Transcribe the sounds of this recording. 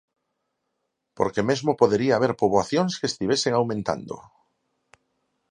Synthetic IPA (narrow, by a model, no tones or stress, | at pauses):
po̰ɾkemezmopoðeɾiaːβ̞eɾpoβoaθjoŋskest̪iβ̞eseŋawmẽnt̪a̰nd̪o̰